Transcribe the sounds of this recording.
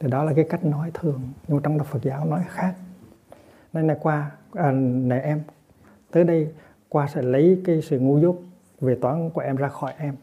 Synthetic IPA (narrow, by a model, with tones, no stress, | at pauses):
t̪ʰi˨˩ɗɔ˨˦la˨˩kaː˨˦jka˦˥jk̟̚nɔ˨˦jt̪ʰɨ˨˩əŋɲ˧m˨˩t͡ɕɔ˧wŋ͡mɗa˨˩fə˨˩t̚zaː˨˦wnɔ˨˦jxaː˦˥k̚ | na˧jna˨˩jkwaː˧ʔəː˨˩nɛ˧˩ʔɛ˧m | t̪əː˨˦jɗə˧j | kwaː˧sɛ̰˧˥˩lə˨˦jkaː˨˦jsɨ̰˧˨ŋu˧zo˦˥t̚ | ve˨˩t̪waː˨˦nku˧˩ʔɛ˧mzaː˧xɔ˧˩jʔɛ˧m